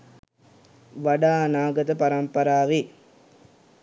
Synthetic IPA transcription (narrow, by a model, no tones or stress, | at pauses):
ʋɐɽaːnaːɡɐd̪ɐpɐɾɐmpɐɾaːʋe